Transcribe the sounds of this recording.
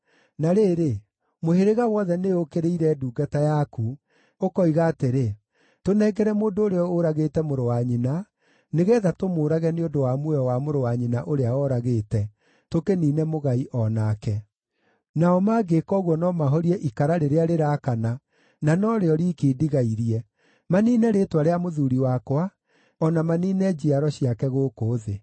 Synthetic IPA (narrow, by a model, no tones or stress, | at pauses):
naɾeːɾe | moheɾeɣawɔðɛneokeɾeiɾɛːduːɡatajaku | okɔiɣaːteɾe | tonɛːɡɛɾɛmoːndoːɾeɔoɾaɣeːtɛmoɾowaɲina | neɣɛːðatomoːɾaɣɛneondowamwɔwamoɾowaɲinaʔoɾeaɔɾaɣeːtɛ | tokeniːnɛmoɣaiʔɔnakɛ | naɔmaɡekɔɣwɔnɔmaɦɔɾiɛʔikaɾaɾeɾeaɾeɾakana | nanɔɾeɔɾikediɣaiɾiɛ | maniːnɛɾetwaɾeamoðuɾiwakwa | ɔnamaniːnɛd͡ʒiaɾɔɕiakɛɣokoːðe